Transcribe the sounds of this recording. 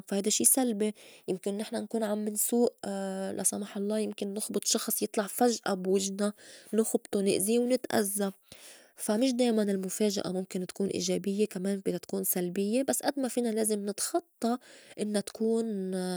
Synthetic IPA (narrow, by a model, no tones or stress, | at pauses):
fahajd̪aʃːiːsalbejɪmkɪnːɪħnankuːnʕamːɪnsuːʔlʔa̰sˤɑmɑːħɑlˤːɑːjɪmkɪnːʊxbɨt̪ˤʃɑxsˤjɨt̪ˤlɑʕfaʒʔabwɪʒnanʊxbt̪ˤonɪ̰ʔziwnɪt̪ʔa̰zːa | famɪʃ̬d̪eːjmanɪlmʊfeːʒa̰ʔa̰mʊmkɪnt̪ḁkuːnʔḭːʒeːbɪjːekameːnbid̪at̪kuːnsalbɪjːebasːʔad̪mafiːnaleːzɪmnɪt̪xɑt̪ˤːɑʔɪnːat̪ḁkuːn